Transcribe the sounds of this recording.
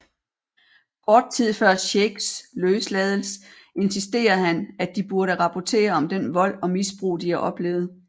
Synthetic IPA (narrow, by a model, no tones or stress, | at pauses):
kʰɒːd̥̚t͡sʰið̰ˠfɶɐ̰d̥ɕeɡ̥sløːslɛð̞ˠl̩s | e̝nsisd̥e̝̰ːɐð̩ˠhænæd̥ib̥uɐɾəʁɑ̈pʰɒt͡sʰe̝̰ːɐɒ̽md̥enʋɒ̽l̰ɒ̽misb̥ʁṵːd̥iæɐʔɒ̽b̥le̝̰ːʊð̞̩ˠ